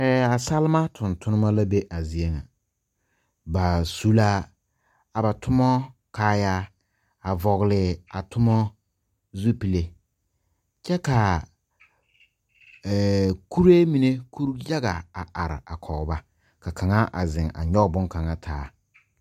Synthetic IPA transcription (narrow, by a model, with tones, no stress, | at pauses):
ɛː˨a˨sa˦lma˦tʰʊ˨ntʰʊ˦nɪ˦ma˦la˦be˦ʔa˨zi˨e˦ŋa˨ | ba˨su˦la˦ | a˨ba˨tʊ˦mɔ˦ | kaː˦ja˦ | a˨vɔ˨ɣlɪ˨a˨tʰʊ˦mɔ˦ | zu˦pi˨le˦ | t͡ʃɛ˦ka˨ | ku˦ɾe˦mi˨ne˦kʰu˦ɾja˦ɡa˨a˨ʔa˨ɾɪ̰˨a˨kʰɔ˨ba˦ | ka˨kʰa˨ŋa˦ʔa̰˨zɪ˨ŋa̰˨ɲɔ˦bʊ˦ŋka˨ŋa˦tʰaː˦